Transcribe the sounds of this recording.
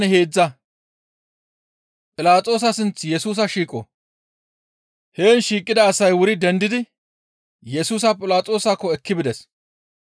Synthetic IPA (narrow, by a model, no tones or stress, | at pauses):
nɛheːd͡zːɐ | pʼɪlaːt͡sʼo̞ːs̬ɐsɪnt͡sːjɛsuːs̬ɐʃiːkʼɔ̰ | he̞ːnʃiːkʼːɪd̪ɐːsɐjwʊɾɪd̪ɛnd̪ɪd̪ɪ | jɛsuːs̬ɐpʼɪlaːt͡sʼo̞ːsakːɔɛkːɪbɪd̪ɛs